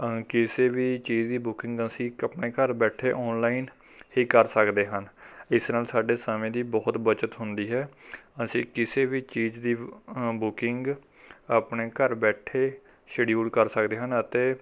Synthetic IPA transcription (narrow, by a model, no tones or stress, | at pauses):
kɪseːʋiːt͡ʃiːd͡ʒd̪iːbʊkɪŋɡəsĩːəpneːkəɾbɛːʈʰeːʔɔːnlaːin | hiːkəɾsəkd̪eːɦənɪsnaːlsaːɖeːsaːmẽːd̪iːbɔːt̪bət͡ʃət̪ɦʊnd̪iːɦɛːəsĩːkɪseːʋiːt͡ʃiːd͡ʒd̪iːbʊkɪŋɡ | aːpneːkəɾbɛːʈʰeː | ʃəɖiuːɽkəɾsəkd̪eːɦənət̪eː